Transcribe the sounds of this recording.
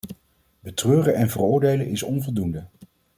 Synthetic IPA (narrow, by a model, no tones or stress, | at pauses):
bətrøːrəɛnvərʊːɹdejlənɪsɔnvɔlˠdundə